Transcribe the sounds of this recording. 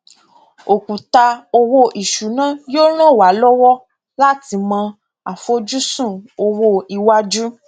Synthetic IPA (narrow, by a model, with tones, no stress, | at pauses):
o˨kũ˨ta˧o˧wo˧ʔi˨ʃu˨˦nã˦joː˦ɾ̃ã˦˨wa˨˦lɔ˦wɔ˦ | la˦ti˧mã˧ | a˨fo˦d͡ʒu˦sũ˦˨o˧wo˧i˨wa˦d͡ʒu˦